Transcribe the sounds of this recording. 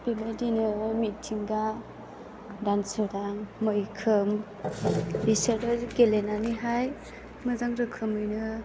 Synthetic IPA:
bibedinɯmitʰiŋɡa | dansuɾaŋmɔjkʰɯm | bisataɾkelenaniɦaj | mɯzaŋɾɯkʰɯmɯjnɯ

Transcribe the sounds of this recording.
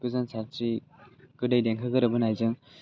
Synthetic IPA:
kɯzansaɾti | kɯdajdeŋkʰɯɡɯɾɯbɯnajzɯŋ

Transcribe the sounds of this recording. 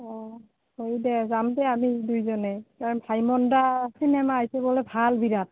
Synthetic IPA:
ɔ | hojdɛzamtɛamidujzɔnekaɹɔnbʰʱajmɔndasinɛmaːjsɛbɔlɛbʱalbiɹat̚

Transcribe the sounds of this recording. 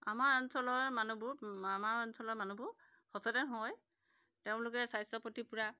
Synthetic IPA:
amaɹansɔlɔɹmanubʊamaɹansɔlɔɹmanubʊ | xɔsɔtɛɦɔj | teʊ̃lʊkɛsajstɔpotipuɹa

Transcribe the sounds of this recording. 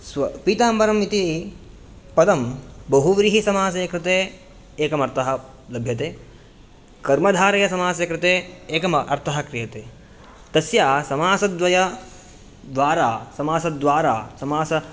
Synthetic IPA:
sʋɐpiːt̪aːmpɐɾɐmit̪i | pɐd̪ɐmbɐɦuʋɾiɦisɐmaːsɐjkɾɪt̪eː | eːkɐmɐɾt̪ɐɦɐ̆ | lɐbʱjɐt̪eː | kɐɾmɐd̪ʱaːɾɐjɐsɐmaːsɐjɐkɾɪt̪eːeːkɐmʔɐ̰ɾt̪ɐɦɐkɾijɐt̪eː | t̪ɐsjaːsɐmaːsɐd̪ʋɐjɐ | d̪ʋaːɾaːsɐmaːsɐd̪ʋaːɾaːsɐmaːsɐ

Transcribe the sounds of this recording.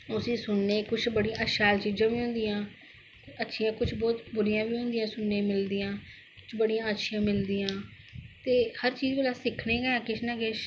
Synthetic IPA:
ʊsĩːsʊnːeːkʊt͡ʃʰbəɽĩãəʃaːlt͡ʃiːd͡ʒãːʋiːɦʊ̃nd̪ijãː | t̪eːʔətːʃʰɪjãːkʊt͡ʃʰbɔːt̪bʊɾijãːʋiːɦʊ̃nd̪ijãːsʊnːẽːmɪld̪iːãː | kʊt͡ʃʰbəɽijãːətːʃʰɪjãːmɪld̪iːãː | t̪eːhəɾt͡ʃiːd͡ʒbəːlaːsɪkʰneːɡãːkɪʃnaːkɪʃ

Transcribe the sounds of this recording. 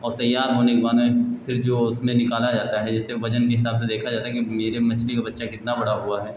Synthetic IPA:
ɔːɾt̪ɐjːaːɾɦoːnekbaːnomepʰɪɾd͡ʒoːʊsmẽnɪkaːlad͡ʒaːt̪aɦɛd͡ʒɛːseʋɐd͡ʒənkeɦɪsaːbs̬ed̪eːkʰad͡ʒaːt̪aɦɛkimeːɾemɐt͡ʃʰlikabɐtːʃakɪt̪nabɐɽaɦuaɦɛː

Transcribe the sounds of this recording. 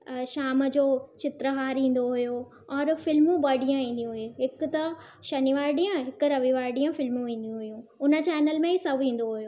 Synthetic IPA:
ʃaːməd͡ʑoːt͡ɕɪt̪ɾəɦaːɾĩːn̆d̪oɦʊjo | ɔːɾfɪlmũbɐːɖijãĩːn̆d̪ijũɦʊjiɦɪkʊt̪ɐʃɐniʋaːɾɖijãɦɪkʊɾɐʋiʋaːɾɖijãfɪlmũĩːnd̪iũɦʊjũʊnə̆t͡ɕɛːnəlmẽsɐbʱĩːn̆d̪oɦujoː

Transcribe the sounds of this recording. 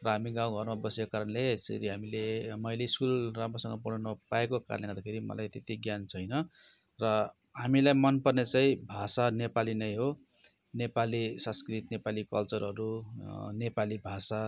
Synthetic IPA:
rʌɦamiɡãw̃ɡʱʌrmabʌsekokaɾʌnleːsʌ̰ɾiɦamilemʌjleskulramrʌsʌŋɡʌpunʌnʌpaekoka̰rneɡʱʌrd̪akʰeɾimʌ̰lajt̪et̪iɡjant͡sʰʌjnʌ | rʌ | ɦamilajmʌnpʌrnet͡saĩbʱasanepalinʌjɦo | nepalisãnskrit̪nepalikʌlt͡sʌɾɦʌɾunepalibʱasa

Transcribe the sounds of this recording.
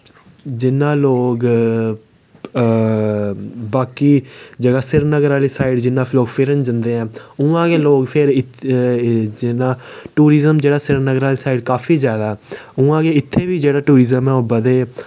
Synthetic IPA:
d͡ʒɪnːãːloːɡ | baːkiːd͡ʒəɡaːsɪɾnəɡəɾaːliːsaːɪɖd͡ʒɪnːãːloːɡpʰɪɾənd͡ʒənd̪eːɛ̃ːʊːãːɡeːloːɡpʰɪɾɪ | d͡ʒnãː | ʈuːɾiːzəmd͡ʒeːɽaːsɪɾnəɡɾaːliːsaːɪɖkaːpʰiːzjaːd̪aːʊːãːɡeːɪt̪ʰːeːbiːd͡ʒeːɽaːʈuːɾiːzəmɛːõbəd̪eː

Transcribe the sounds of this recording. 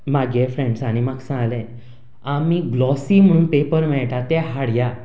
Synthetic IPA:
maɡefɾẽɳɖsaɽ̃imaksãlɛ̃ | amiɡlɔsim̤əɽũːnpepəɾmɛ̃jʈʰat̪ɛɦaɽja

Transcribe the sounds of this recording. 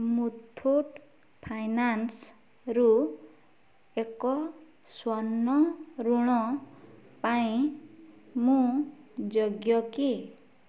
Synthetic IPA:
mut̪ʰːoʈ | pʰajnans | ru | ekɔ | swʌnːɔɾuɽ̃ɔ | paĩ | mũ | d͡zʌɡjʌki

